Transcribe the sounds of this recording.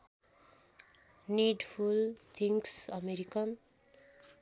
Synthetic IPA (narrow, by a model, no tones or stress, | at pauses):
niɖpʰult̪ʰiŋksʌmeɾikʌn